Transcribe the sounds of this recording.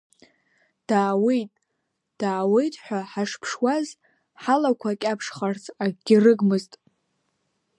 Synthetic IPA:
d̥aːwejtʼ | d̥aːwejtʼħʷᶣaħaʂpʰʂwaz | ħalakʷʰakʲʼapʰʂχart͡sʰaɡʲɪrɨɡmɨztʼ

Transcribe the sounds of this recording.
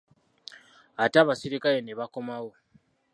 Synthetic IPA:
ataːβasiɾikajeneβako̞mawo

